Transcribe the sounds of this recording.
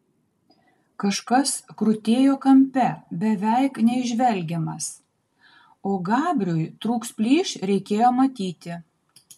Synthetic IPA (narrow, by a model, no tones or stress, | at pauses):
kɐʃkɐskɾʊt̪ʲeːjoːkɐmʲpʲɛbʲɛʋʲɛɪknʲɛɪʒʲʋʲɛlʲɡʲɛmɐs | oːɡɑːbʲɾʲʊjt̪ɾuːkspʲlʲiːʃɾʲɛɪkʲeːjoːmɐt̪ʲiːt̪ʲɪ